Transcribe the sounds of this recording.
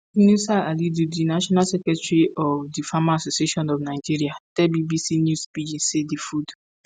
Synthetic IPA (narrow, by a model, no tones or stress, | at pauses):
nusaalidudinaʃɔnalsɛkɾɛtɹiɔfdifamaasosieʃɔ̃nɔfnaɪd͡ʒiɾiatɛbibisinjuspid͡ʒĩnsedifud